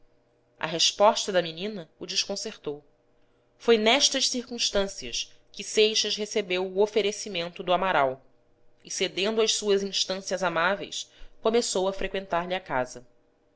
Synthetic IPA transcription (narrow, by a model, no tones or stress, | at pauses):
ʔɐ̰ɦeʃpɔʃt̪ɐd̪ɐminĩnɐud͡ʒɪʃkõseɾt̪ow | fojnɛʃt̪ɐʃsiɾkũʃt̪ɐ̃siɐʃ | kɪsejʃɐzɦesebewʊofeɾesimẽnt̪ʊd̪ʊamaɾaw | ɪsed̪ẽnd̪ʊɐʃsuɐzĩʃt̪ɐ̃siɐzamavḛjskomesowɐfɾekwẽnt̪aɾʎɪɐkazɐ